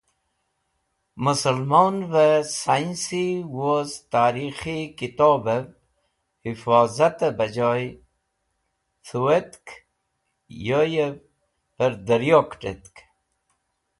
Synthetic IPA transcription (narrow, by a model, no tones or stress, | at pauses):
məsəlmoːnvəsainsiwozt̪aːɾixikit̪oːbəv | hifaːzat̪əbəd͡ʑɑːj | t̪ʰuwet̪k | jojəv | pəɾd̪əɾjokʈet̪k